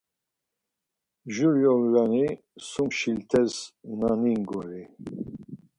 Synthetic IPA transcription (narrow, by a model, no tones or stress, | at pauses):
ʒuɾjɔlɾani | sumʃilt̪ʰɛznaniŋɡɔɾi